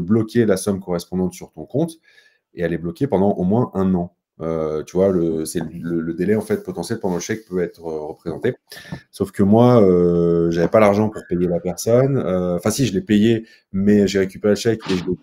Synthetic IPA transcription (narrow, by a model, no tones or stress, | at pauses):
blɔkʲelasɔmkɔʁɛspɔ̃d̪ɑ̃t̪syʁt̪ɔ̃kɔ̃t̪ | ealɛblɔkʲepɑ̃d̪ɑ̃ʔomwɛ̃ʔɛ̃nɑ̃ | øt̪yvwaləsɛllələd̪elɛɑ̃fɛt̪̚pɔt̪ɑ̃sjɛlpɑ̃d̪ɑ̃ləʃɛk̚pøɛt̪χøʁəpχezɑ̃t̪esofkəmwaøʒavɛpalaʁʒɑ̃puʁpejelapɛʁsɔnøɑ̃fɛ̃siʒəlɛpeje | mɛʒeʁekʲypeʁelʃɛkeʒəlɛ